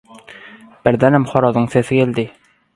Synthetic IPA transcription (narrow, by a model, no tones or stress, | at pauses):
b̥ɘ̆ɾðænæmχɒɾɑðɤɴsæθɘkeld̪ɪ